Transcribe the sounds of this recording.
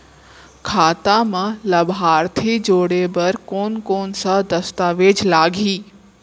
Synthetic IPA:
kʰaːt̪amãlɐbɦaːɾt̪ʰid͡ʒoːɽebɐɾkoːnkoːnsad̪ɐst̪aːʋeːd͡ʒlaːɡʱiː

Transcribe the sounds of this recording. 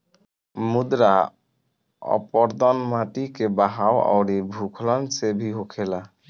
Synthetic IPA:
mud̪ɾa | ɔ̰pɔɾd̪ɔnmaʈikebaɦaoɔ̰ʊɾibʱukʰlɔnsebʱiɦokʰela

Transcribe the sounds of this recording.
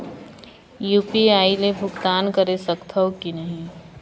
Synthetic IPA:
juːpiaːilebʱʊɡt̪aːnkəɾesəkt̪ʰəokinəɦĩ

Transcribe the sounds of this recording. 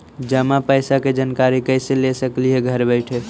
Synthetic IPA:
d͡ʒəmapəɪsaked͡ʒənkaɾikəɪselesəkliɦeɡʱəɾbəɪʈʰe

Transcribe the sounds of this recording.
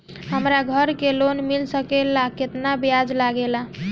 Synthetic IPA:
ɦəmɾaɡʱəɾkelonmilsəkelaket̪nabjad͡ʒlaɡela

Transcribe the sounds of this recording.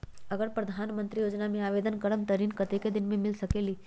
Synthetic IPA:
əɡəɾpɾɐd̪ʱaːnmənt̪ɾijoːd͡ʒnamẽaːʋed̪ənkəɾəmt̪əɾiːnkɐt̪eked̪ɪnmẽmɪlsəkeːliː

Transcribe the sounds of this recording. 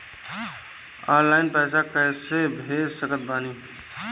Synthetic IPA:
aːɾlaːɪnpɛːsakəːsebʱesəkət̪̚baːniː

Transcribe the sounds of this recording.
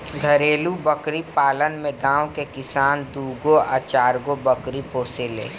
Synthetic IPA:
ɡʱəɾeːlubəkɾipaːlənmẽɡãːwkekɪsaːnd̪uːɡoa̰ːt͡ʃaːɾɡobɐkɾipoːselḛː

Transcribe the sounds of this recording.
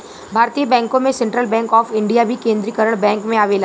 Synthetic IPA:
bʱaːɾt̪ijəbɛ̃ːŋkõmẽsɛ̃ɳʈɾəlbɛ̃ːŋkɔːfɪ̃ɳɖijabʱikẽːnd̪ɾikəɾəɽ̃bɛ̃ːŋkmẽaːʋela

